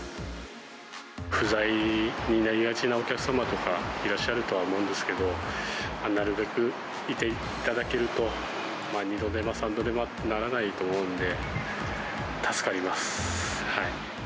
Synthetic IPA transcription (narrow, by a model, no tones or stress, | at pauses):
ɸɯ̟zaiɲ̟inaɾʲiɡat͡ɕinao̞kʲakɯ̟̥samat̪o̞kaiɾaɕːaɾɯ̟t̪o̞aomo̞ɯ̃nd̪esɨ̥ke̞d̪o̞manaɾɯ̟be̞kɯ̟ | it̪e̞ | it̪ad̪ake̞ɾɯ̟t̪o̞ | maɲid̪o̞d̪emasãnd̪o̞d̪e̞ma | naɾanait̪o̞ːmo̞ɯ̟̃nd̪e̞ | t̪ʰasɨ̥kaɾʲimasɨ̥hai